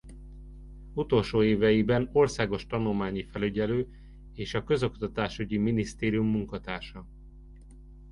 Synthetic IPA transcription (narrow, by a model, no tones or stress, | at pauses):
ut̪o̞lʃoːeːvɛjibɛno̞rsaːɡo̞ʃt̪ɒnulmaːɲifɛlyɟɛløː | eːʃɒkø̞zo̞kt̪ɒt̪aːʃyɟiminist̪eːɾijumːuŋkɒt̪aːrʃɒ